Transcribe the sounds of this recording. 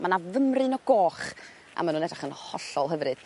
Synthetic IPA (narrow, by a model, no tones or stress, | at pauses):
manavəmrɨnɔɡoːχ | a̰manuːnɛdraχənhɔɬɔlˠɦəvrɨd̥